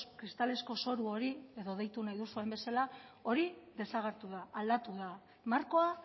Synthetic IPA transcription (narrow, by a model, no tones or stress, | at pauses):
kɾist̪ale̞sko̞so̞ɾuo̞ɾie̞ðo̞ðejt̪unajðusue̞mbe̞salao̞ɾiðe̞saɣeɾt̪uðaːld̪at̪uða | maɾko̞a